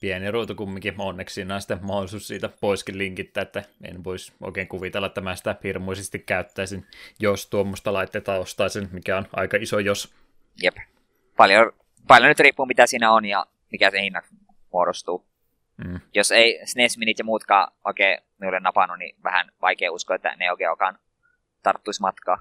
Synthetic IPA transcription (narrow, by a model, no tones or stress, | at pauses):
piæniruːt̪ukumːiŋkionːeksiːnːɑnsi̥t̪ːemɑholisuːssiːt̪æpoiskilliŋkit̪ːæːet̪ːæḛinːeʋoiso̰ˑikeːŋkuʋit̪elːɑet̪ːæmæsi̥t̪æhirmoisest̪ikkæyt̪ːæˑːsinjost̪uomːost̪ɑlɑit̪ːet̪ːɑːost̪ɑˑːsenmikæonʔɑ̰ikɑisojos | jep | pɑljo | pɑljonyt̪riːpːuːmit̪æsiːnæonjɑ̰ | mikæsehinːɑk | muoɾost̪uː | joseisnesminit̪jɑmuːt̪kɑ̰ːʔo̰ˑikeːmiulːenɑpɑnunḭʋæ̰hæ̰nʋɑ̰ikeːuskoet̪ːæ̰neioˑikḛːo̰kɑ̰ːn | t̪ɑrt̪ːuismɑt̪kɑ̰ː